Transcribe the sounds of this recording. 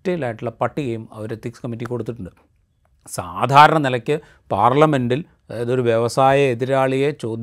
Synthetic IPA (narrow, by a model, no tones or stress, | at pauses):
tːɐjilaːjiʈːuɭːɐpɐʈːiɣɐjumɐ̰ʋoɾet̪ikskɐmitːikːo̞ɽut̪ːiʈːuɳɖɨ | saːd̪ʱaːɾɐɳɐnilɐkʲːɨ | paːrlɐme̞nɖilː | jɐðo̞ɾuʋjeʋɐsaːjɐeðiɾaːɭijet͡ɕo̞ːd̪ʱ